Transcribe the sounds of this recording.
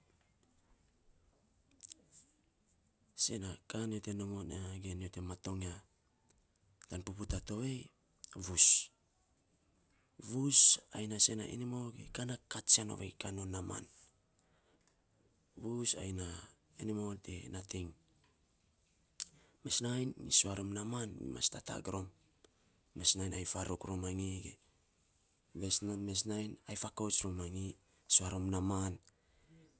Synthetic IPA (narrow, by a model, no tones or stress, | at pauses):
se̞nakaniote̞nomonɡeniote̞mato̞ŋa | tanpuputato̞βe̞j | βus | βusajnase̞na̰ʔḭnimo̞ɡḛkanakatt͡ʃiano̰βḛjkanonama̰n | βusa̰jna | enimoltenatʰiŋ | me̞snajnisuaɾomnamanḭma̰stata̰ɡɾo̞mː | e̞snajnajfaɾukɾomaŋiɡḛ | βesname̞s̬najnajfakot͡ʃɾomaŋi | suaɾomnaman